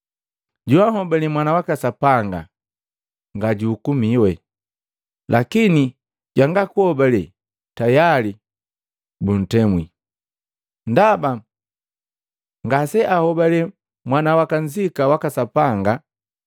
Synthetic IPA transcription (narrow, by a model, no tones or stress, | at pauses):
ɟuaɦɔbalɛmwanawakasapaŋɡa̰ | ŋɡaɟuːkumiwɛ | lʔakini | ɟaŋɡakuɔbalɛ | tajali | bun̩tɛmwḭ | ndaba | ŋɡasɛʔahɔbalɛ | mwanawakand͡ʒikawakasapaŋɡa